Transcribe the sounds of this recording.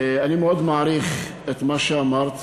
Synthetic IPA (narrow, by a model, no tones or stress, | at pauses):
animeod̪maaɾiχ | et̪maʃeamaʁt̪